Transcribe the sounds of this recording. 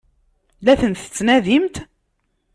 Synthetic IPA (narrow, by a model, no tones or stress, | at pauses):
læθənt̪ə̥t͡sːnæðimt̪